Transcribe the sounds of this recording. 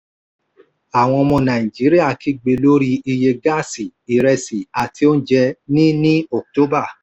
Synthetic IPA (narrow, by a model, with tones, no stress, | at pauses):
a˨w̃ɔ̃˧mɔ̃˧nã˨ĩ˨d͡ʒi˨˦ɾi˦a˦˨kʰi˧ɡ͡be˧lo˦ɾi˧i˧je˧ɡa˦˨si˨i˨ɾɛ˧si˨a˨tʰi˧˦o˦n̩˦d͡ʒɛ˧nĩ˦nĩ˦o˨k̚to˦ba˦˨